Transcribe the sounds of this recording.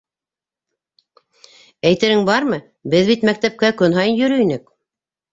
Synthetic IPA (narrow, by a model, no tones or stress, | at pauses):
æjt̪ɘ̆ɾɘŋbɑɾmɤ | bɘðβit̪mæk̚t̪æp̚kækɵnɦɑjɤnjɵ̆ɾɵinɘk